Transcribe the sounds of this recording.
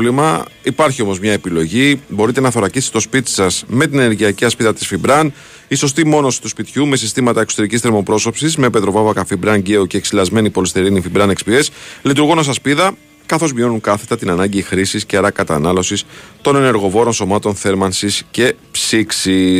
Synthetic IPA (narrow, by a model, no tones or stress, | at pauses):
limɐipɐɾçio̞mo̞zmɲɐe̞pilo̞ʝibo̞ɾit̪e̞nɐθo̞ɾɐcist̪t̪o̞spit̪i̥sɐsme̞t̪ineneɾʝiɐciɐspiðɐt̪i̥sfibɾɐn | iso̞st̪imo̞no̞si̥t̪uspit̪çume̞sist̪imɐt̪ɐekso̥t̪e̞ɾicist̪ɾeɾmo̞pɾo̞so̞psizme̞pe̞t̪ɾo̞vɐvɐkɐfibɾɐnɟe̞oce̞ːksilɐzme̞nipo̞list̪e̞ɾinifibɾɐne̞kspieslit̪uɾɣo̞nos̬ɐspiðɐ | kɐθo̞zmio̞nuŋkɐθe̥t̪ɐt̪inɐnɐɲɟixɾisisceɐɾɐkɐt̪ɐnɐlo̞sist̪o̞ne̞ne̞ɾɣo̞vo̞ɾo̞nso̞mɐt̪o̞nθe̞ɾmɐnsisce̞psiksi